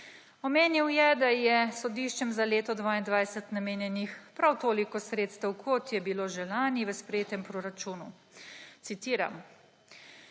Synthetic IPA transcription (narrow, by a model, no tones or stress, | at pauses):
ɔmeːniwjɛd̪ajɛsɔd̪iːʃt͡ʃɛmzaleːt̪ɔd̪ʋaːind̪ʋaːjsɛt̪nameːnjɛnixpɾawt̪oːlikɔsɾeːt̪st̪ɛwkʰɔt̪jɛbiloʒɛlaːniʋəspɾɛjeːt̪ɛmpɾoɾat͡ʃuːnu | t̪sit̪iːɾa̰m